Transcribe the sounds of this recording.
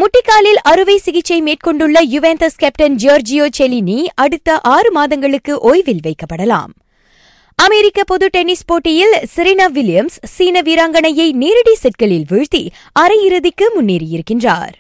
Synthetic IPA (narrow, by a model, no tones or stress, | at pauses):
mʊʈːɪkːaːlɪlʔɐɾɯʋɐɪsɪɣɪt͡ʃːɐɪmeːʈ̚kɔɳɖɯɭːɐjʊʋent̪ɐskɛpʈɐnd͡ʒoːɾd͡ʒɪjoːt͡ʃɛliniːʔɐɽɯt̪ːɐʔaːrɯmaːðɐŋɡɐɭɯkːɯʔoːjʋɪlʋɐɪkːɐpːɐɽɐla̰ːm | ɐmɛɾɪkːɐpɔðɯʈɛnɪspoːʈːɪjɪlsɪɾɐnaːʋɪlɪjɐmsːiːnɐʋiːɾaːŋɡɐɳɐjɐɪniːɾɪɽisɛʈ̚kɐɭɪlʋɪɻt̪i | ʔɐɾɐjɪɾɯðɪkːɯmʊnːiːɾɪjɪɾɯkːɪndra̰ːɾ